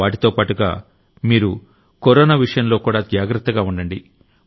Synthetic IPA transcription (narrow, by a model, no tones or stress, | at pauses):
aːʈ̬it̪oːpaːʈuɡa̰ː | miːɾu | koɾɔːnaːʋiʂɐjɐmlo̞ːkuːɽaːd͡ʒaːɡɾɐt̪ːɐɡaːuɳɖɐɳɖi